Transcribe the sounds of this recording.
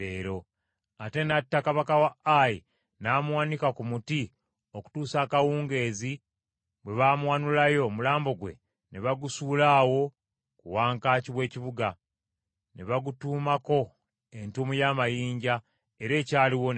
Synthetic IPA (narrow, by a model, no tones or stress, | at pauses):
eːɾo̞ | ate̞natːakaβakawaʔaji | namwaːnikakumuti | oku̥tuːsaːkawuːŋɡe̞ːzi | bwe̞βaːmwaːnulajo̞mulaːmbo̞ɡwe̞̰ | neβaɡusuːlaːwo̞ | kuwaːŋkaːciβwe̞ːciβuɡa | nḛβaɡutuːmako̞ | e̞ntumujaːmajiːɲɟa | eɾe̞ːcaːliwo